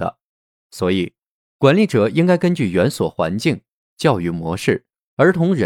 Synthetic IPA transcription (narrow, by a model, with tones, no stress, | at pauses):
ə̰˧ | swɔ˧˥i˨˩˦ | kwa˧˥nli˧˥˩ʈ͡ʂɤ˨˩i˥ŋka˥ɪkə˥nt͡ɕy˥˩ɥɛ˧˥nswɔ˨˩xwa̰˧˥nt͡ɕi˥˩ŋ | t͡ɕjɑ˥˩ʊy˧˥˩mwɔ̰˧˥ʂɻ̩˥˩ | ə˞˧˥t̪ʰʊ˧˥ŋɻə˧˥